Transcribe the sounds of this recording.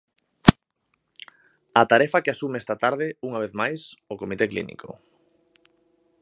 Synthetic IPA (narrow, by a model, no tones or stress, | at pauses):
at̪aɾɛfakeasumeɛst̪at̪aɾð̞ɪuŋaβ̞eθmajsokomit̪eklḭnḭko̰